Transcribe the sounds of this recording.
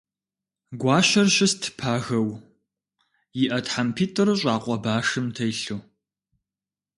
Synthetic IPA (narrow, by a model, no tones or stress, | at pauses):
ɡʷɑːɕɐrɕɪstʰɨ̥pʰaːɣɐw | jɪʔɐtħampʰiːtʰʼɨɾɨɕ̬ʼaːqʷʼɔbaːʂɨmtʰɐjɬuː